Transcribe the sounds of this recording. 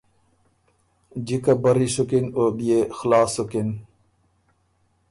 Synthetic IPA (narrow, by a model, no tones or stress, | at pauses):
d͡ʑikabɐɾisukinoːbijexlaːsukin